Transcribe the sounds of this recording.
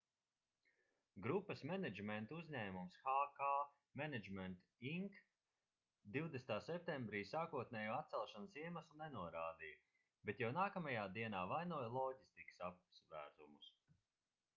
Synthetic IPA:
ɡɾupːɐsmɛnɛd͡ʒmɛnt̪uzʲɲɛːmumsxaːkaː | mɛnɛd͡ʒmɛnt̪ | iŋk | d̪iwd̪est̪aːsɛp̚t̪ɛ̃mbɾiːsaːkuɔt̪̚nɛːjuːat̪̚sɛlˠʃansiɛmaslˠunɛnuɔɾaːd̪iːj | bet̪jawnaːkamajaːd̪iɛnaːvajnuɔjlˠɔɟist̪iku̥sap̚zvæ̰ːɾzumus

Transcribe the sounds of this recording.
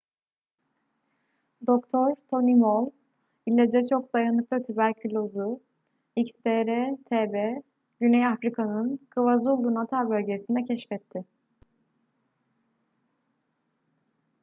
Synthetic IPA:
d̪o̞kt̪ʰoɾt̪ʰo̞nimolˠ | ilʲːɛd͡ʒɛt͡ʃʰo̞k̚d̪ajanɯk̚lˠat̪ʰybæɾcʰylʲo̞zu | icst̪ʰeɾɛt̪ʰeːbe | ɟynɛjafɾikʰanɯnkʰɯvazulˠːunat̪ʰalbø̞lʲɟesind̪ɛcʰɛʃfɛt̪ʰːɪ

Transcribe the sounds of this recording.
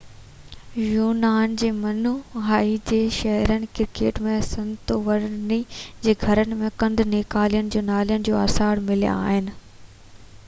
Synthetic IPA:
juːnaːnd͡ʑeːmɐnuɦaːid͡ʑeːʃɐɦɛɾənɪ̆kɪɾkeːʈmẽsɐ̃nt̪oʋɐɾnid͡ʑeːɡʱɐɾənɪ̆mẽkɐ̃nd̪neːkaːlijənɪ̆d͡ʑoːnaːlijənɪ̆d͡ʑoːaːsaːɽmɪlij̰a̰ːɦɪnɪ̆

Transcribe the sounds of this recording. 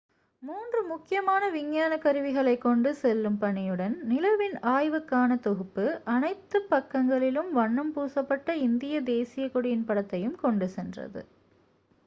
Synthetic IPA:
muːndrɯmʊkːɪjɐmaːnɐʋɪŋjaːnɐkːɐɾɯʋɪɣɐɭɐɪkːɔɳɖɯsɛlːɯmpɐɳɪjɯɽɐnnɪlɐʋɪnaːjʋɯkːaːnɐt̪ɔɣɯpːɯʔɐnɐɪt̪ːɯpːɐkːɐŋɡɐɭɪlɯmʋɐɳːɐmpuːsɐpːɐʈːɐɪnd̪ɪjɐd̪eːsɪjɐkːɔɽɪjɪnpɐɽɐt̪ːɐjɯmkɔɳɖɯsɛndrɐ̰ðɯ̰

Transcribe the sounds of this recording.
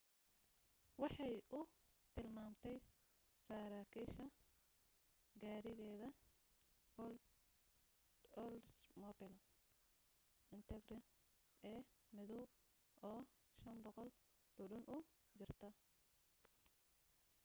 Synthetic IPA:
wɑħɑjʔʊt̪ʰɪlmaːmt̪ʰɛj | sɐːɾaːkʰiːʃɐ | ɡaːɾɪɣɛːðɐ | ɔlsmɔbɪlɐ | ɪnt̪ʰɛɡɾɪn | ɛːmɪðɔw | ʔɔː | ʃɐnbɔqɔlɖ̥ʊɖʊnʔʊ | t͡ʃɪrt̪ʰɐ

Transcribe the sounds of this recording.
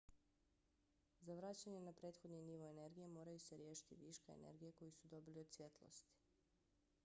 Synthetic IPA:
zaʋɾat͡ɕaɲenapɾe̞ːt̪xod̪niniʋoene̞ɾɡijemo̞ːɾajuseɾjeːʃi̥t̪iʋiːʃkaḛnḛɾɡijeko̞jisud̪o̞bilio̞d̪sʋʲje̞t̪lˠo̰st̪i̥

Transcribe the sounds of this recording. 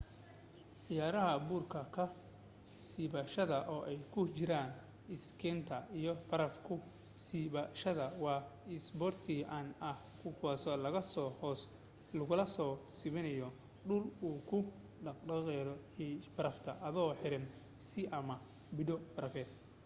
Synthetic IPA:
ʕɪjaːɾɐɦɐbuːrkʰɐkʰɐ | siːβɐʃɐðɐʔɔːʔɛjkʰʊt͡ʃɪɾaːn | ɪskʰɛnt̪ʰɐijɔbɐɾɐfkʰʊ | siβɐʃɐðɐwɑːɪsbɔrt̪ʰiːʔɐnɐh | kʰʊkɔsɔlɐɣɐsɔhɔs | lʊɣʊlɐsɔːsɪβɪnɐjɔ | ɖʊluːkʰʊ | ɖɐqɖɐqɛɾɔ | ɛbɐɾɐft̪ʰɐ̰ʔɐðɔːħɪɾɪn | sɪʔɐmɐ | bɪɖɔbɐɾɐfɛːd̪

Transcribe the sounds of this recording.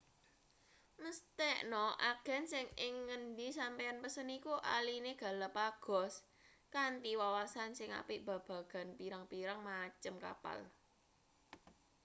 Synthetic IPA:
məst̪ɛʔnɔʔaɡ̥a̤nsɪŋɪŋːəndisampejanpəsənikuʔa̰lineɡ̥ä̤lapaɡ̥ɔ̤s | kant̪iwawasansɪŋa̰pɪʔb̥ä̤b̥ä̤ɡ̥a̤npiɾaŋpiɾaŋmat͡ʃəmka̰pa̰l

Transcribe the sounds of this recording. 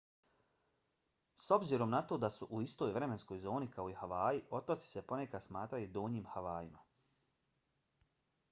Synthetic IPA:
so̞bziɾo̞mnat̪o̞ːd̪asuʔuist̪o̞ːjvɾe̞me̞nsko̞jzo̞ːnikao̞ihaʋaːjiʔo̞t̪ot̪si̥se̞po̞ne̞kad̪smaːt̪ɾajud̪oːɲiːmhaʋaːjima

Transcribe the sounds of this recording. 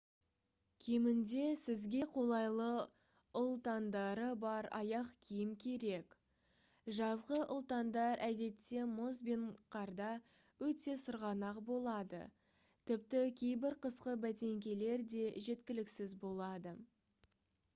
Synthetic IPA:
kʲʰemɪnd̪e̞sɪzɡʲe̞qʰo̞lˠɑjlˠə | ʊlˠt̪ɑnd̪ɑɾəbɑɾɑ̰jɑqkʲʰijɪmkʲʰe̞ɾe̞k | ʒɑzʁəʔʊlˠt̪ɑnd̪ɑɾʔæd̪e̞t̪ːe̞mozbinqʰɑɾd̪ɑ | wɵt̪e̞səɾʁɑnɑqbo̞lˠɑd̪ə̰ | t̪ʰɪp̚t̪ɪkʲʰe̞jbɪɾqʰəsqəbæt̪̬e̞ŋkʲe̞le̞ɾd̪e̞ʒe̞t̪kʲɪlɪksɪzbo̞lˠɑd̪ə

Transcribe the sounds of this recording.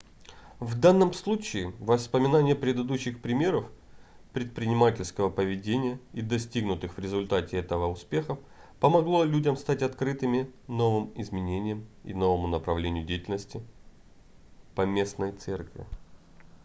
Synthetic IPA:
vd̪anːəmslˠut͡ɕɪːvəspəmʲɪnanʲɪjəpɾʲɪd̪ɨd̪uɕːɪxpɾʲɪmʲe̞ɾəf | pɾʲɪt̪̚pɾʲɪnʲɪmatʲɪlʲskəvəpəvʲɪdʲenʲɪjəid̪ɐsʲtʲiɡnʊt̪ɨxvɾʲɪzʊlʲt̪atʲɪɛt̪əvəʊspʲe̞xə | pəmɐɡlˠo̞lʲudʲəmst̪atʲɐt̪kɾɨt̪ɨmʲɪno̞vɨmɪzmʲɪnʲenʲɪjəmḭno̞vəmʊnəpɾɐvlʲenʲɪjʊdʲejtʲɪlʲnəsʲtʲɪ | pɐmʲe̞snəjt̪sɛrkvʲɪ̰

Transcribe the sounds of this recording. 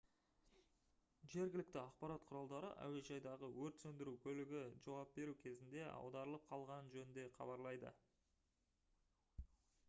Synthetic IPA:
ʒe̞ɾɡʲɪlɪk̚t̪ɪɑqpɑɾɑt̪̚qʰʊɾɑlˠd̪ɑɾə̰ʔæ̰we̞ʒɑjd̪ɑʁəwɵɾt̪sɵnd̪ɪɾukʲʰɵlɪɡʲɪʒɑwɑp̚be̞ɾukʲʰe̞zɪnd̪e̞ʔɑ̰wd̪ɑɾəlˠəp̚qʰɑlˠʁɑnʒɵnɪnd̪e̞χʰɑ̰bɑɾlˠɑjd̪ə̰

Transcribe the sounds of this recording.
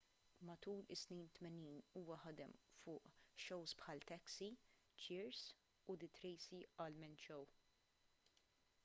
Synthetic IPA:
mɐt̪uːlɪsnɛnt̪mɛniːnuːwɐħɐd̪ɛmfʊːʔʃɔwspħɐːlt̪ɛksi | t͡ʃɪːɾs | ʊd̪ɪt̪ɾɛːsiɐlmɛnt͡ʃɔw

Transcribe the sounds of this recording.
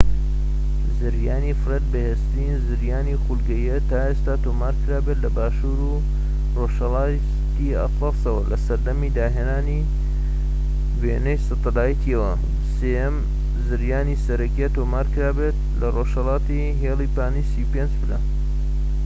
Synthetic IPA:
zɨɾjaːnifɨɾet̪̚bɐheːst̪ɾinzɨɾjaːnixulɡɐjɐt̪aːeːst̪aːt̪oːmaːɾkʰɨɾaːbeːt̪lɐbaːʃuːɾu | roʃhɐlˠɑː | t̪iɐ̰t̪lɑsɐwɐlɐsɐɾd̪ɐmiːd̪aːɦeːnaːni | beːnejsɨt̪ɑd̪aːjit̪ʰiɐwɐ | seɛm | zɨɾjaːnisɐɾɐkiat̪oːmaːɾkɨɾaːbet̪lɐroːʃhɐlˠɑːt̪i | ɦeːlipaːnisiupeːnd͡ʒbɨlan

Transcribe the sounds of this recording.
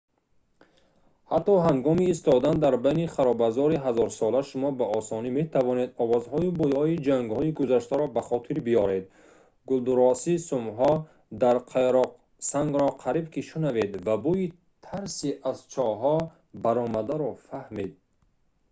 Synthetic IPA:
hat̪ːɔɦaŋɡɔmiːst̪ɔd̪and̪aɾbajniχaɾɔbazɔɾiɦazɔɾsɔlaʃumɔbaʔɔsɔnimet̪ʰavɔne̞d̪ɔvɔzhɔjibujɔid͡ʒaŋɡhɔiɡuzaʃt̪aɾɔbaχɔt̪ʰiɾbijɔɾe̞d̪ | ɡuld̪uɾɔsisumɦɔ | d̪aɾqʰeɾɔq | saŋɡɾɔqʰaɾibkiʃunave̞d̪vabui | t̪ʰaɾsiʔazt͡ʃʰɔɦɔ | baɾɔmad̪aɾɔfahmed̪̚

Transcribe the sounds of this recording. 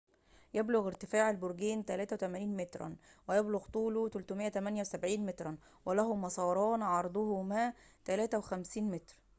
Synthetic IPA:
jæbloɣɪɾt̪ɪfaːʕælboɾɡiːnt̪ælæːt̪æwet̪æmæːniːnmet̪ɾˤɑ̰nwɪjæbloɣt̪ˤuːlut̪ælt̪ʊmejːæt̪æmænjæwsæbʕiːnmet̪ɾˤɑn | welæɦʊmɑsˤɑːɾˤɑːnʕɑɾˤd̪ˤʊɦʊmæːt̪ælæːt̪æwexæmsiːnmet̪ɾ

